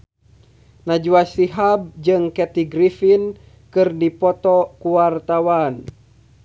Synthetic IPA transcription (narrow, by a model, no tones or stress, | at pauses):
nad͡ʒuasiɦab̚d͡ʒɨŋkɛt̪iɡɾifin | kɨrdipɔt̪ɔkuwart̪awan